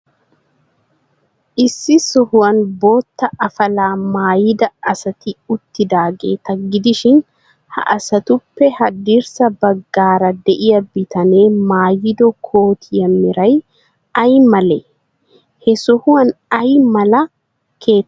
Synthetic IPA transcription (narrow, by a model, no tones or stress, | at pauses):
ʔɪsːɪsɔhʊwɐnbo̞ːt̪ːɐʔɐfɐlaːmaːjɪd̪ɐɐsɐt̪ɪʊt̪ːɪd̪aːɡḛːt̪ɐɡɪd̪ɪʃɪn | hɐ̰ʔɐsɐt̪ʊpːɛhɐd̪iɾsɐbɐɡːaːɾɐd̪ɛʔɪjɐbɪt̪ɐneːmaːjɪd̪ɔkʰo̞ːt̪ʰɪjɐmːɪɾɐj | ɐjmɐlɛ | hɛsɔhʊɐnɐjmɐlɐ | kʰe̞ː